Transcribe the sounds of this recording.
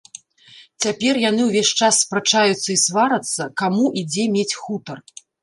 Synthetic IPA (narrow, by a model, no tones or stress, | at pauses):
t͡sʲapʲɛrjan̪ɨwvʲeʂʲt͡ʂasːpɾat͡ʂajut̪sːɐisvaɾɐt̪sːɐkamuʔid͡zʲɛmʲet͡sʲxut̪ɐr